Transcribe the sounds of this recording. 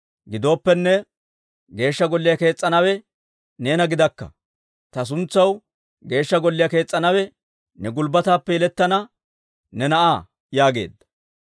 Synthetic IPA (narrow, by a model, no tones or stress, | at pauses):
ɡɪd̪o̞ːpːɛnːɛ | ɡe̞ːʃːɐɡɔlːɪjɐke̞ːt͡sʼːɐnɐwɛ | ne̞ːnɐɡɪd̪ɐkːɐ̰ | t̪ɐs̬ʊnt͡sːɐw | ɡe̞ːʃːɐɡɔlːɪjɐke̞ːt͡sʼːɐnɐwɛ | nɛɡʊlbɐt̪aːpːɛjɛlɛt̪ːɐnɐ | nɛnɐʔaː | jaːɡe̞̰ːd̪ːɐ̥